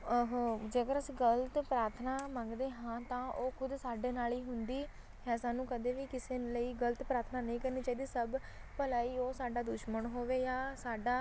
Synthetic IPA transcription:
ɦːd͡ʒeːkəɾəsĩːɡəlt̪pɾaːɾt̪ʰnaːmə̃ŋɡd̪eːɦãːt̪ãːʔoːkʰʊd̪saːɖeːnaːliːɦʊnd̪iː | ɦɛːsaːnːũːkəd̪eːʋiːkɪseːləiːɡələt̪pɾaːɾt̪ʰnaːnəĩːkəɾniːt͡ʃaːiːd̪iːsəb | pəlaːiːoːsaːɖaːd̪ʊʃməɳɦoːʋeːjaːsaːɖaː

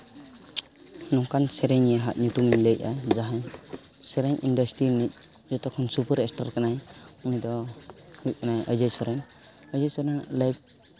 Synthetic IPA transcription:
nɔŋkansɛɾɛɲijaɦat̪̚ɲut̪umiɲdej̚ad͡ʒaɦaɲ | sɛɾɛɲʔindɔsʈɾinit̪̚ˀ | d͡ʒɔt̪ɔkʰːɔnsupəɾɛsʈaɾkanajunid̪ɔhuʔ̚kanajəjd͡ʒajsɔɾɛn | əjd͡ʒajsɔɾanlajb̚

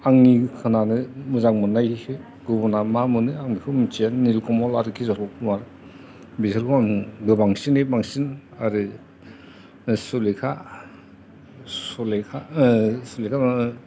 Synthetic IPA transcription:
aŋnikʰɯnanɯmuzaŋmɯnaj | ɡubɔnamamɯnɯaŋnikʰɯmit͡ʃianːilkɔmɔlaɾɯkʰizɔɾʰɔkʰumaɾ | bizɯɾkʰuaŋɡɯbaŋsinebaŋsinaɾɯ | sulekʰa | sulekʰasulekʰam

